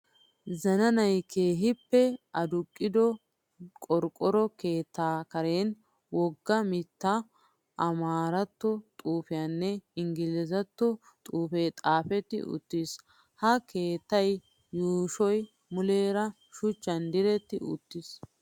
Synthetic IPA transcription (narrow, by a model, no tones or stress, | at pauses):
zɐnɐnɐjkʰe̞ːɦɪpːɛʔɐd̪ʊkʼːɪd̪ɔ | kʼɔɾkʼɔɾɔke̞ːt̪ːaːkɐɾeːn | wɔɡːɐmɪt̪ːɐ | ʔɐmaːɾɐt̪ːɔt̪ʼuːfɪjanːɛɪŋɡɪlɛzɐt̪ːɔ | t̪ʼuːfeːt̪ʼaːfɛt̪ːɪ̰ʊ̰t̪ːis | hɐke̞ːt̪ːɐjː | uːʃɔj | mʊleːɾɐ | ʃʊt͡ʃːɐnd̪ɪɾɛt̪ːɪ̰ʊ̰t̪ːɪs